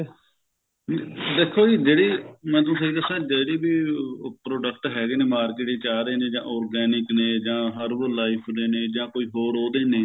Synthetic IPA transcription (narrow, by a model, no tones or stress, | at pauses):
d̪eːkʰːoːiːd͡ʒeːɽiːmɛ̃ːt̪õːseiːk̪əsãːd͡ʒeːɽiːbiːpɾoːɖəkʈɦɛːɡeːnẽːmaːɾkeːʈeːt͡ʃaːɾeːnẽːd͡ʒã̰ːʔɔːɾɡɛːnɪknẽːd͡ʒãːɦəɾʋoːlaːɪpʰneːnẽːd͡ʒãːkoːiːɦoːɽoːd̪eːneː